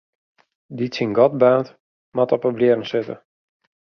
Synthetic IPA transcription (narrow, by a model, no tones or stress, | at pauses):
ditsinɡɔt̚baːnt | mɔtɔpəblɪərənsɪtə̰